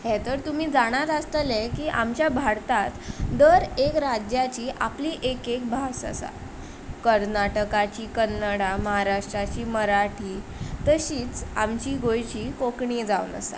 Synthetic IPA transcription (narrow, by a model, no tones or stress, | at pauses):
ɦɛt̪əɾt̪um̤iːd͡zaɽ̃at̪ast̪əlekiːʔamt͡ɕjabʱaɾt̪at̪d̪əɾekɾad͡ʑjat͡ɕiːʔa̰pliːʔekek̚bʱasə̰sa̰ | kəɾnaʈəkat͡ɕiːkənːəɽaməɦaɾaʂʈɾat͡ɕiːməɾaʈʰiːt̪əɕiːt͡sa̰mt͡ɕiːɡojt͡ɕiːkokɳid͡zaunə̰sa̰